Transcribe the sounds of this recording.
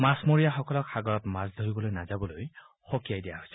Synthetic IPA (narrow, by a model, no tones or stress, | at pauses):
masmoɹijaxɔkɔlɔksaɡɔɹɔtmasd̪ʱoɹibɔlojnazabɔloj | xokijajdijaɦojsɛ̥